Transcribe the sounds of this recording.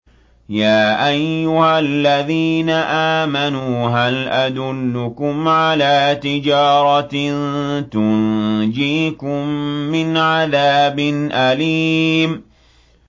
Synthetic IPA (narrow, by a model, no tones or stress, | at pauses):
jaːʔajːʊhallːaðiːnaʔaːmanuːɦalʔad̪ʊlːʊkʊmʕalaːt̪ɪd͡ʒaːɾˤɑnt̪ʊnd͡ʒiːkʊmːɪnʕaðaːbɪnʔaliːm